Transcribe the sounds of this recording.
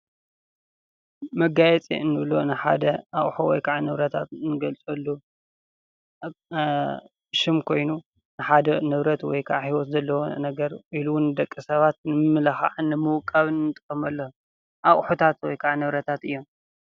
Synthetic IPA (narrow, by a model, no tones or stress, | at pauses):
mɐɡajɛt͡sʼḭɨnːɨβlonɨħa̰d̪ɐʔaχʼħowɔ̰jkʰaʕanɨβɾɐt̪ʰat̪nɨɡɐlt͡sʼɐlːu | ʃɪmkʰo̞jnu | nɨħad̪ɐnɨβɾɐt̪wɔ̰jkʰaʕahiwɔt̪zɐlːɐwonɐɡɐɾʔiluwʊnːɨd̪ɐkʼːisɐβat̪nɨmɨmɨlɐxa̰ʕɨnɨmɨwʊkʼːaβɨnːɨt̪ʼɨkʼːɐmɐlːɐ | ʔaχʼħut̪ʰat̪wɔjkʰaʕanɨβɾɐt̪ʰat̪ɨjːo̞m